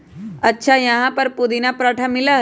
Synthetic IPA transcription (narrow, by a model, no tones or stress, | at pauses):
ɐtːʃʰajɐɦãpɐɾpud̪inapɾəʈʰəmɪla